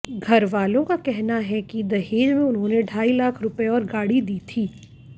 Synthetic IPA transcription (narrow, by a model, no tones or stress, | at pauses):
ɡʱɐɾʋaːlõkakɛɦnaɦɛkid̪ɐɦeːd͡ʒmẽʊnɦõneɖʱaːilaːkʰɾʊpeɔːɾɡaːɽid̪iːt̪ʰiː